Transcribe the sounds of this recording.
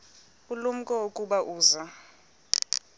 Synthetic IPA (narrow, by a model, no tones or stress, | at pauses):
ulum̩kʼɔokʼuɓaʔuːza